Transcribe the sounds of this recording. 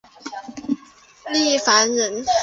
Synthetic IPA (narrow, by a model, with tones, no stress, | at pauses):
li˥˩fa˧˥nɻə˧˥n